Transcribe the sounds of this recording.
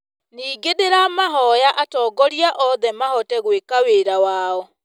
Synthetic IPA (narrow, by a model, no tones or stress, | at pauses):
niːɡedeɾamaɦɔjaʔatɔːɡɔɾiaʔɔðɛmahɔtɛɣwekaweɾawaɔ